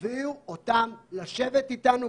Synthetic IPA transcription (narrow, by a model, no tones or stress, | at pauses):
viuot̪amlaʃe̞vet̪it̪anu